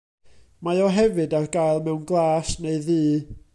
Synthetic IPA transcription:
majɔɦɛvɨdarɡajlˠmɛwnɡlˠaːsneɨðiː

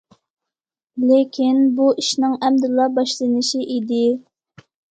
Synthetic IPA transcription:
lekʲʰinbuʔiʃnɪŋɛmd̪ulˠːɑbɑʃlˠɨnɪʃiʔid̪ɪ

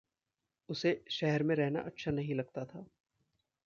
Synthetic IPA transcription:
ʊseʃɛɦɛɾmẽɾɛɦna̰ʔɐtːʃʰanɐɦĩlɐɡ̚t̪at̪ʰaː

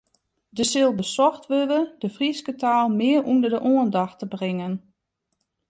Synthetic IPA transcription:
dəsɪlˠbəsɔxtʋøʋədəfriskətʰaːlˠmɪərʔundərdəʔoəndɑxtəbrɪŋən

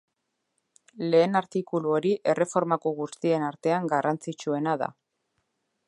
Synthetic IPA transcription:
le̞ːnaɾt̪ikuluo̞ɾiʔe̞re̞fo̞ɾmakoɣust̪ie̞naɾt̪e̞aŋɡarant͡sit͡ʃue̞naða̰

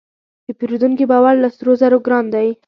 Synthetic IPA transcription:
d̪əpeɾud̪uŋkibɑwaɾlasɾozaɾoɡɾɑnd̪aj

